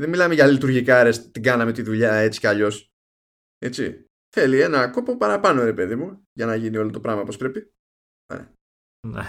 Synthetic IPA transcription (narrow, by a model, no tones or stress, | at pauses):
ðenmilɐmeʝɐlit̪uɾʝikɐɾest̪iɡɐnɐme̞t̪iðuʎɐe̞t͡si̥cɐʎo̞s | e̞t͡sḭ | θe̞lie̞nɐko̞po̞pɐɾɐpɐno̞ɾe̞pe̞ðimu | ʝɐnɐʝinio̞lo̞t̪o̞pɾɐɣmɐpo̞spɾe̞pi | o̰ɾḛɐ | nḛ